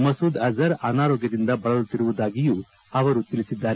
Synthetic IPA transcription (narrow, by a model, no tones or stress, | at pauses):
mɐsuːd̪ɐzɐɾɐnaːɾoːɡjɐd̪ind̪ɐbɐɭɐlut̪ːiɾuʋud̪aːɡijuː | ɐʋɐɾut̪ilisid̪ːaːɾe